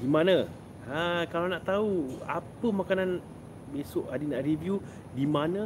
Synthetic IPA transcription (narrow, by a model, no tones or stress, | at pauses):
dimãnã | akalanaʔt̪aua̰pəmãkanãn | besoʔadinaʔɾivju | dimãnã